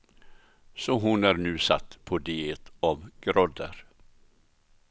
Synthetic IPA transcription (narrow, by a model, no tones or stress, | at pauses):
sɔɦʊnæɾnʉ̟ːsa̰t̪ːpʰɔd̪eːt̪ɑvɡ̥ɾɔd̪ə̰ɾ